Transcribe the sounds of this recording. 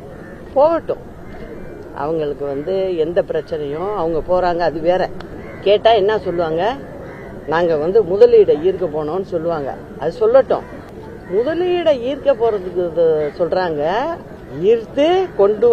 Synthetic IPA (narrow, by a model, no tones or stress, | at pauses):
poːʋɐʈːʊ̰̃ | ʔɐ̰ʋɐŋɡɐɭɯkːɯʋɐnd̪ɯɛnd̪ɐpɪɾɐt͡ʃːɪnɐjʊ̃ɐʋɐŋɡɐpoːɾaːŋɡɐːðɯʋeːɾɛ | keːʈːaːɛnːaːsɔlːɯʋaːŋɡɐ | naːŋɡɐʋɐnd̪ɯmʊðɐliːɽɐiːɾkːɐpoːɳõːnːɯsɔlːɯʋaːŋɡɐ̰ | ʔɐðɯsɔlːɐʈːʊ̰̃ | mʊðɐliːɽɐiːɾkːɐpoːɾɐðɯkːɯðɯsɔlraːŋɡɐ | iːɾt̪ɯkɔɳɖɯ